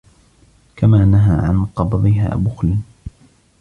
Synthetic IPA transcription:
kamaːnaɦaːʕa̰nqɑbðˤɪɦa̰ːbʊxlɪ

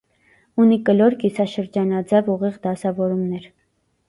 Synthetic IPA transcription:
unikəlɔɾkisɑʃəɾd͡ʒɑnɑd͡zɛvuʁiʁd̪ɑsɑvɔɾumnɛɾ

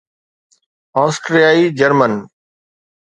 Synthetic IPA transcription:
ɔːsʈɾijaːid͡ʑəɾmən

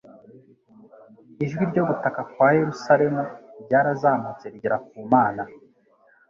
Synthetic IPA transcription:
iʒɡwiɾɟo̞ɡutakakwahe̞ɾusaɾe̞muɾɟaːɾazaːmut͡se̞ɾɟiɾak̚uːmaːna

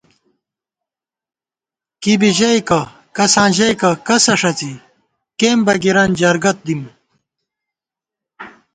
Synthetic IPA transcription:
kibiʑɐjkɐ | kɐsãːʑɐjkɐkɐsɐʂɐt͡si | kembɐɡiɾɐnd͡ʑɐɾɡɐt̪̚d̪im

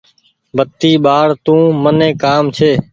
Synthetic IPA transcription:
bʱət̪iːɓaːɽt̪ũːmənẽːkaːmt͡ʃʰeː

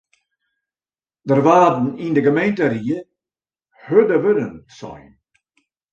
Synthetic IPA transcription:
dərʋaːdn̩indəɡəmejntəɾiə | hødəʋødənsɔ̰jn

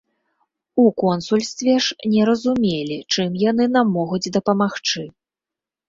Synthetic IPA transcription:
ukɔnsulʲst̪vʲɛʂnʲɛɾɐzumʲelʲit͡ʂɨmjanɨnamːɔɣud͡zʲd̪ɐpɐmaxt͡ʂɨ

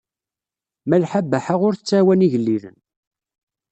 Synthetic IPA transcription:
mælħabːæħaʁʊɾθət͡sːawæniʝəlːiðə̰n

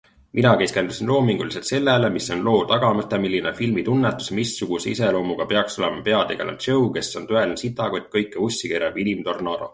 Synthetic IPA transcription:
minɑke̞ske̞nd̪usinlo̞ːmiŋɡ̥uliselt̪se̞lːelemisːo̞nlo̞ːt̪ɑɡ̥ɑmɤt̪ːˑemilʲːinefilmit̪unːet̪ːˑu̥smisːuɡ̥useise̞lo̞ːmuɡ̥ɑpe̞ɑkso̞lemɑpe̞ɑd̪eɡ̥ɑlɑ̰t͡ʃewke̞sːo̞nt̪øelnsit̪ːˑɑkujt̪̚kɤjkːeusʲːikeɾɑb̥ilʲimt̪o̞rnɑɾo̰

